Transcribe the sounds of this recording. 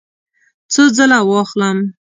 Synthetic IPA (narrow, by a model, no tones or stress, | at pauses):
t͡səzəlawɑxləm